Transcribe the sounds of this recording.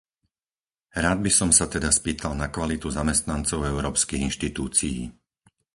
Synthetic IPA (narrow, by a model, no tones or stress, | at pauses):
ɾaːd̪̚bisɔmsat̪ɛd̪aspiːt̪ʰalnakʋalit̪uzamɛst̪nant͡sɔʊɛʊɾɔːpskiɣinʃt̪it̪uːt͡sijḭː